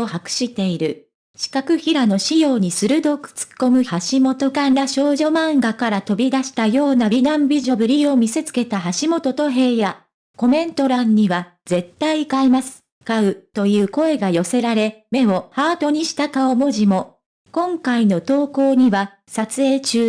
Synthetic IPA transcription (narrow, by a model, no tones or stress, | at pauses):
ohakɯ̟̥ɕit̪e̞iɾɯ̟ | ɕi̥kakɯ̟çiɾano̞ɕijo̞ːɲ̟isɨɾɯ̟d̪o̞kɯ̥t͡sɨ̥kːo̞mɯ̟haɕimo̞t̪o̞kaaɕo̞ːʑo̞mãŋɡakaɾat̪o̞bʲid̪aɕi̥t̪ajo̞ːnabʲiɡ̪ãmbʲiʑo̞bɯ̟ɾʲio̞mʲise̞t͡sɨ̥ke̞t̪aɦaɕimo̞t̪o̞t̪o̞ɦe̞ːja | ko̞mẽ̞nt̪o̞ɾãɲ̟ɲːiβa | z̥e̞t̪ːaikaimasɨ̥ | kaɯ̟t̪o̞jɯ̟ːko̞e̞ɡajo̞se̞ɾaɾe̞me̞o̞haːt̪o̞ɲ̟iɕi̥t̪akaomo̞ʑimo̞ | kõ̞ŋkaino̞t̪o̞ːko̞ːɲ̟iβa | sat͡sɨe̞ːt͡ɕɨː